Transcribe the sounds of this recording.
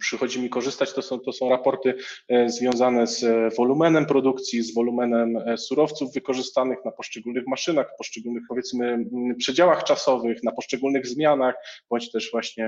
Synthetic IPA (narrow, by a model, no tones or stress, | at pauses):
pʂɘxɔd͡ʑimʲikɔʐɘst̪at͡ɕt̪ɔsɔ̃w̃t̪ɔsɔ̃w̃ɾapɔɾt̪ɘzvʲjɔ̃w̃zanɛzvɔlumɛnɛmpɾɔd̪ukt̪sʲjizvɔlumɛnɛmsuɾɔft̪suvːɘkɔʐɘst̪anɘxnapɔʂt͡ʂɛɡulnɘxmaʂɘnaxpɔʂt͡ʂɛɡulnɘxpɔvʲjɛt̪smɘpʂɛd͡ʑawaxt͡ʂasɔvɘxnapɔʂt͡ʂɛɡulnɘɣzmʲjanaxb̥ɔɲt͡ɕt̪ɛʐvwaɕɲɛ